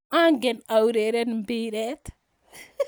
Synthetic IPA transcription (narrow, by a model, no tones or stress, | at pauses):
aŋɡenawɾeɾanimbiɾet̪